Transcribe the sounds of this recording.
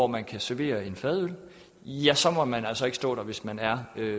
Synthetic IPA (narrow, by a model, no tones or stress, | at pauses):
ɒmænkʰæsæɐʋe̝̰ːɐe̝nfɛðˠøl | jæsɒ̽mɒ̽mænælsɒ̽e̝ɡ̥əsd̥ɔ̰̽ːd̥ɐ̈ʋe̝smænæɐø